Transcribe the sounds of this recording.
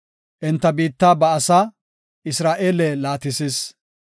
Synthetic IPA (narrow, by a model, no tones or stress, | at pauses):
ʔɪnt̪ːɐbiːt̪ːaːbɐɐsaː | ʔɪsɾaːʔeːlɛlaːt̪ɪsiːs